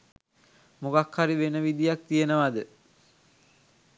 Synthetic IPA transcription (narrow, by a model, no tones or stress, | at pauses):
mukakhaɾiʋenəʋid̪ijak̚t̪ijenəʋad̪ə